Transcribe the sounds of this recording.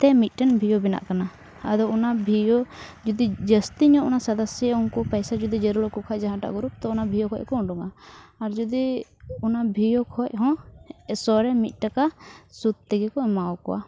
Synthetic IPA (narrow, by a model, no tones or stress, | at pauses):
t̪ɛmit̪̚ˀʈɛnbʱijɔbina̰ʔkana | əd̪ɔunabʱijɔd͡ʒud̪id͡ʒəst̪iɲɔ̃ʔunasəd̪əsjunkɔpɛjsad͡ʒud̪id͡ʒəɾulɔkukʰaʔd͡ʒaɦãʈa̰ʔɡuɾup̚t̪ɔunabʱijɔkʰɔckɔɔ̃ɖɔŋaːɾd͡ʒud̪iunabʱijɔkʰɔc̚ɦɔ̃sɔɾɛmit̪̚ˀʈakasut̪̚t̪ɛɡɛkɔɛmaɔkɔ̰wa̰